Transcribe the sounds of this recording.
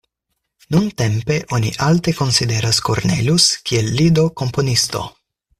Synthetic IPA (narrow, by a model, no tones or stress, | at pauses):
nunte̞mpe̞ʔo̞nḭʔalt̪e̞ko̞nside̞ɾasko̰ɾne̞̰luskʰielːid̪o̞ko̞mpo̞nist̪o̞̰